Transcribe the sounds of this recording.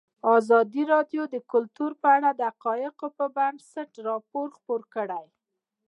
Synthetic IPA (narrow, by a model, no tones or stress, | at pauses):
ɑzɑd̪iɾɑdjod̪əkʊlt̪uɾpəaɽad̪əaqɑjɪqopəbansaʈɾɑpoɾxpoɾkəɽaj